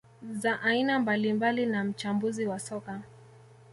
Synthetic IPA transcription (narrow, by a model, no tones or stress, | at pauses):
zaʔainambalimbalinam̩t͡ʃambuziwasɔka